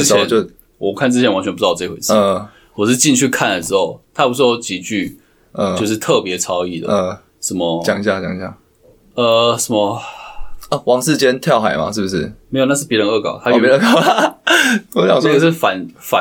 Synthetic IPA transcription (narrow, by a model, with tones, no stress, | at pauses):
t͡ɕʰjɛ˨˦nt͡ɕo˥˧ | wɔ˨˩kʰa˥˩nt͡s̬ɻ̩˥t͡ɕʰɛ˧˥nwa˧˦nt͡ɕʰɛ˧˥pu˧˥ɑ˧˩t͡sə˥˩˧xwḛ˨˩t͡s̩ʰ˥˩˥ | wɔ˨˩ʂɻ̩˥˧t͡ɕi˥˧nt͡ɕʰy˥˧kʰa˥˩nd̪ə˩ʈ͡ʂɻ̩˧˦˥xo˥˩ʊt̪ʰa˥˩pu˧˥˩t͡ɕi˨˩t͡ɕy˥˩ | ə˥˧jo˥˧ʊʂ̬ɻ̩˥˧t̪ʰɤ˥˩pjɛ˨˦t͡sʰɑ˥ʊi˥˩d̪ə̰˨˩˧ | ʂə˧˥mə˧t͡ɕjɑ˨˩ŋ˩ɕja˥˩t͡ɕjɑ̰˨˩ŋi˩ɕja̰˥˩ | ə˧ʂə˧˩˦mə˧ | ə˧˩wɑ˨˦ŋʂɻ̩˥˧t͡ɕjɛ˥nt̪ʰjɑ˥˩ʊxa˨˩ɪma̰˨ʂɻ̩˥˩bu˩ʂɻ̩˥˩me˧˥jo˨˩na˥˧ʂɻ̩˥˩pji˧˥ə˨˦ŋə˥˩kɑ̰˨˩ʊt̪ʰa˥jjə˥˧kʊ | wɔ˧˥ɕjɑ̰˨na˥˧˩ɡə˨ʂɻ̩˥˩fa˨˦nfa˨˦